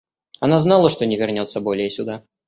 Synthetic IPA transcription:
anaznalˠəʂt̪ɔnʲɪvʲɪrnʲɔt̪sːəbɔlʲɪjɛsʲʊd̪a

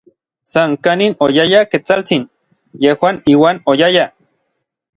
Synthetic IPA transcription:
saŋkaninojajaket͡salt͡sin | jehwaniːwaːnojaja

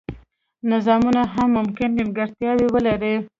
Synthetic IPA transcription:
nɪzɑmunaɦamːʊmkɪnɡɪnɡaɾt̪jɑwewəlaɾi

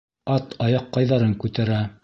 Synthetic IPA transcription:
ɑt̪ɑjɑqːɑjðɑɾɤŋkʉt̪æɾæ

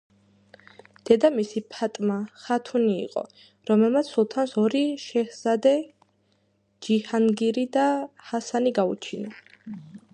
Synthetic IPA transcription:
d̪̥ɛd̪amisipʰat̪ʼmaχat̪ʰunḭːqʼɔ̰ | ɾɔmɛlˠmat̪sʰsulˠt̪ʰansɔɾiʃɛhz̥ad̪ɛ | d͡ʒihanɡiɾid̪ahasaniɡaṵt͡ʃʰina

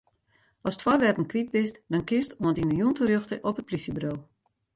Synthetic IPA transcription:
ʔɔstfɔrʋɛrtən̩kʋit̚bɪstdɔnkɪstuəntinəjuntərjøxtəʔɔpət̚plisəbrow

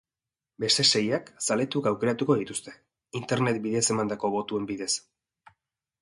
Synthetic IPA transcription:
be̞st̪e̞se̞jaksale̞t̪ukawke̞ɾat̪uko̞ðit̪ust̪e̞ | int̪e̞ɾne̞t̪̚biðe̞se̞mand̪ako̞βo̞t̪ue̞mbiðe̞s

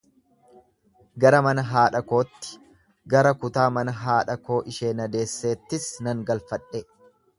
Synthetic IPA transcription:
ɡɐɾɐmɐnɐɦaːᶑɐko̞ːt̪ːɪ̥ | ɡɐɾɐkʊt̪aːmɐnɐɦaːᶑɐko̞ːʔɪʃe̞ːnɐd̪e̞ːsːe̞ːt̪ːɪsnɐŋɡɐlfɐᶑɛ

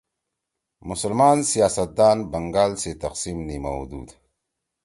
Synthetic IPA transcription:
musulmansijaːsat̪̚d̪aːnbaŋɡalset̪aqsimnima̰wṵd̪ṵd̪

